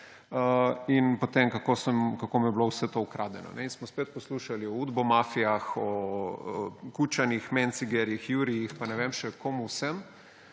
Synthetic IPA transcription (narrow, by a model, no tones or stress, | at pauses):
əinpot̪emkakosɛmkakoːmijɛblowsɛt̪oukɾad̪ɛnɔ̰nɛinsmɔspeːt̪̚pɔsluʃaliɔud̪bɔmafijaxɔ | kut͡ʃanixmɛnt̪siɡɛɾjixjuɾijixpanɛʋemʃɛkomuwsɛm